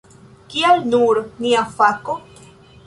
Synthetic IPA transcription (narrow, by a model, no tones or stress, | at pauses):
kialnuɾniafako